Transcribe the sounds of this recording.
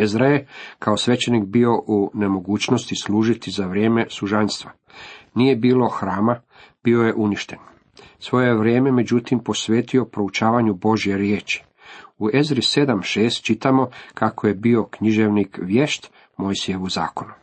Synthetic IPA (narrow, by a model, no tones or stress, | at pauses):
ezɾaje̞kʰaosʋe̞t͡ɕe̞nikbio̞ʔune̞mo̞ɡuːt͡ɕno̞st̪isluːʒit̪izaʋɾje̞ːme̞suʒanst̪ʋa | nije̞biːlˠo̞xɾaːma | b̥io̞je̞ʔuniʃt̪e̞n | sʋo̞je̞ʋɾje̞ːme̞me̞d͡ʑut̪impo̞sʋe̞ːt̪io̞pɾo̞ut͡ʃaːʋaɲubo̞ʒje̞ɾjeːt͡ʃi̥ | ue̞zɾise̞d̪amʃeːst̪̚t͡ʃit̪amo̞kakʰoje̞bio̞kɲiʒe̞ʋnikʋjeʃt̪ | mo̞jsije̞ʋuza̰ːko̞nu